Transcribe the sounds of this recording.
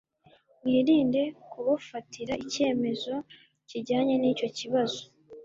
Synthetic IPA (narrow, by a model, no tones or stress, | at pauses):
mwiːɾiːnde̞kuβafatiɾaʔice̞ːme̞zo̞ | ciɾɟaːɲe̞niːco̞ciβazo̞